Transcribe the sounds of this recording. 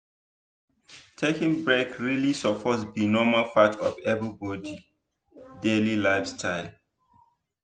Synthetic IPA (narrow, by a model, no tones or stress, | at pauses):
tʰekĩŋbɹekɹilisɔpʰɔsbinɔmalfatʰɔfɛbəbɔdi | delilaɪfstʰaɪl